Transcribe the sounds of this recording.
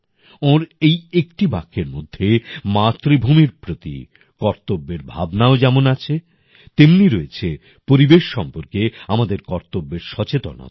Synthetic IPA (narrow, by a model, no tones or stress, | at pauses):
oɾejekʈibakʰːeɾmod̪ʱːemat̪ɾibʱumiɾpɾot̪ḭ | kɔɾt̪obːeɾbʱa̰bnaod͡ʑɛmonat͡ɕʰe | t̪emniɾoet͡ɕʰe | poɾibeʃːɔmpoɾkeamad̪eɾkɔɾt̪obːeɾʃɔt͡ɕet̪o̰na̰